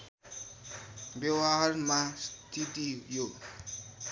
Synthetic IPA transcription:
bjewaɦarmast̪ʰit̪ijo

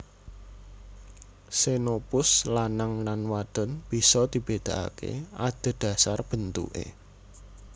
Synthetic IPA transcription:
senopʊslanaŋlanwad̪̥ɔ̤nb̥i̤sɔd̪̥i̤b̥ed̪̥a̤ʔa̰kḛad̪̥ə̤d̪̥ä̤sarb̥ə̤nt̪ṵʔḛ

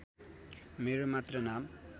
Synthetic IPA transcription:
meɾomat̪rʌnam

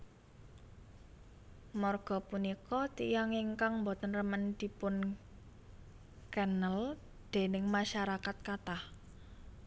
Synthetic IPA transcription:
mɔrɡ̥ɔ̤punikɔt̪ijaŋiŋkaŋmbot̪ənrəmənd̪̥i̤pʊn | kɛnəl | d̪̥e̤nɪŋmaʃaɾakat̪̚kat̪ah

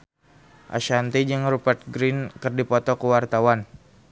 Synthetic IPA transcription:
ʔa̰ʃant̪id͡ʒaŋrupərt̪̚ɡɾinkɨrdipɔt̪ɔkəwart̪awan

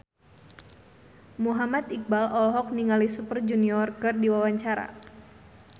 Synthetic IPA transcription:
muɦamat̪ik̚balɔlɔɦɔk̚niŋalisupərd͡ʒuniɔrkɨrdiwawaɲt͡ʃaɾa̰

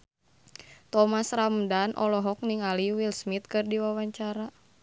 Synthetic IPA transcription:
t̪ɔmasramdanʔɔ̰lɔɦɔk̚niŋaliwilsmit̪̚kɨrdiwawaɲt͡ʃaɾa

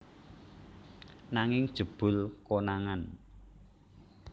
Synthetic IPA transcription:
naŋɪŋd̥ʒ̥ə̤b̥ʊ̤lkonaŋan

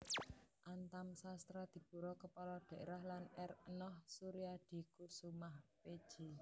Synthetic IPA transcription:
ʔant̪amsast̪ɾad̪̥i̤b̥ṳɾɔkəpɔlɔɖ̪̥ɛ̤ʔɾahlanɛrənɔhsuɾiad̪̥i̤kusumahped̥ʒ̥i

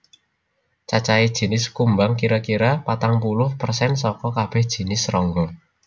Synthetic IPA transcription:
t͡ʃat͡ʃaid̥ʒ̥i̤nɪskumbaŋkiɾakiɾapat̪aŋpulʊhpərsɛnsɔkɔkab̥ɛ̤hd̥ʒ̥i̤nɪsrɔŋɡɔ

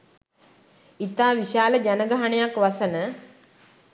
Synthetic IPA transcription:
it̪aːʋiʃaːləd͡ʒanəɡaɦəɳejakʋasənə

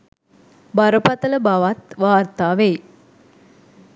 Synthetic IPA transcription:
baɾəpat̪ələbaʋat̪ʋaːrt̪aːʋeː

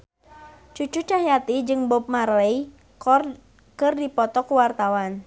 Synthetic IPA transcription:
t͡ʃut͡ʃut͡ʃaɦjat̪id͡ʒɨŋbɔp̚maɾɛj | r | kɨrdipɔt̪ɔkuwart̪awan

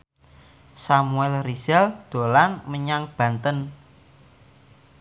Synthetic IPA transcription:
samuɛlrisɛld̪̥o̤lanməɲaŋb̥ä̤nt̪ən

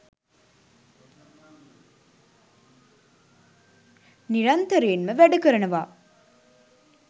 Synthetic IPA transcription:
niɾɐnt̪əɾeːnməʋæɖukəɾənəʋaː

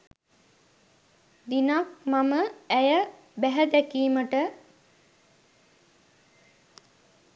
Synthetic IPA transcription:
d̪inak̚maməæjə | bæɦəd̪ækiːməʈə

